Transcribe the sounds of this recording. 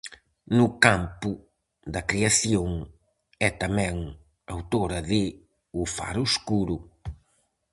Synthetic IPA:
nʊkampʊ | d̪ɐkɾiasjõŋ | ɛt̪ɐmɛ̃ŋ | awt̪oɾɐðɪ | ʊfa̰ɾuskuɾʊ

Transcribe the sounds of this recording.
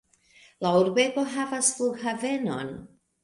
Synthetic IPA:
lauɾbeɡoɦavasfluɡɦavɛnɔ̰n

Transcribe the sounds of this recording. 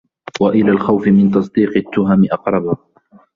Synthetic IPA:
waʔɪlaːlxawfɪmɪnt̪ɑsˤd̪iːqɪt̪ːʊɦamɪʔɑqɾˤɑba

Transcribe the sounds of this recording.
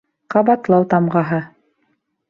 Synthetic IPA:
qɑβɑt̪lˠɑwt̪ɑmʁɑɦɤ

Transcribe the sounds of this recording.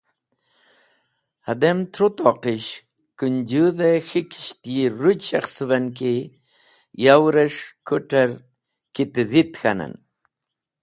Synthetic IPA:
hɐd̪emt̪ʰɾut̪oqiɕ | kund͡ʑuðexiki̥ɕt̪jiɾuɕɐxsuʋɐnki | jawɾɐʂkuʈɐɾ | kit̪ðit̪xɐnɐ̰n

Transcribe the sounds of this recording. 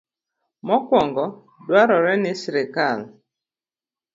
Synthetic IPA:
mɔkwɔŋɡɔ | dwaɾɔɾɛnɪsɾekal

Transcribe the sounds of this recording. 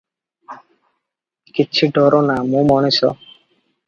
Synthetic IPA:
kitːɕʰiɖɔɾonamumɔnesɔ̰

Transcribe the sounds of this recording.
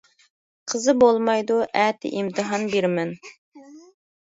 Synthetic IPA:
qʰəzɨbolˠmɑjd̪uʔɛt̪ʰɪ̰ʔimt̪ʰɨɦɑnbeɾmɛn

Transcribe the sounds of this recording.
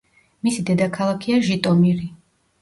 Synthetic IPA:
misid̪ɛd̪akʰalˠakʰiaʒit̪ʼɔmiɾi

